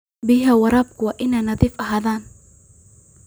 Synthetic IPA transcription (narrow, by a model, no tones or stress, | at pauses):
bɪɦaːwɑɾɑːb̚kʰʊwɑːʔɪnaːnɐðiːfʔɐɦaːðaːn